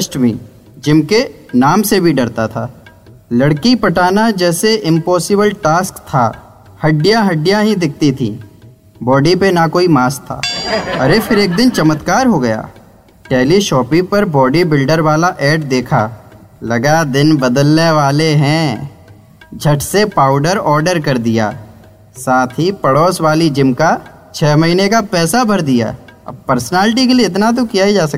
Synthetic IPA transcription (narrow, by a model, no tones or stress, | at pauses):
ʃʈbʱḭː | d͡ʒɪmke | naːmsebʱiɖɐɾt̪at̪ʰaː | lɐɽkipɐʈaːnad͡ʒɛːseʔɪ̃mpɔːsɪbəlʈaːskt̪ʰa̰ | hɐɖijaɦɐɖijaɦĩd̪ɪkʰt̪it̪ʰḭː | bɔːɖipenakoːimaːst̪ʰːa̰ːɐɾepʰɪɾeːk̚d̪ɪnt͡ʃɐmət̪kaːɾɦoɡɐja̰ː | ʈɛːliʃɔːpĩpɐɾbɔːɖibɪlɖəɾʋaːlaʔɛːʈ̚d̪eːkʰaː | lɐɡad̪ɪnbɐd̪əlneʋaːleɦɛ̃ː | d͡ʒʱɐʈsepaːʊɖəɾɔːɾɖəɾkɐɾd̪ija̰ː | saːt̪ʰɦipɐɽɔːsʋaːlid͡ʒɪmka | t͡ʃʰɛːmɐɦiːnekapɛːsabʱɐɾd̪ija̰ːɐ̰b̚pɐɾsənaːlʈik̬elieɪt̪nat̪̬okijaɦid͡ʒaːsɐ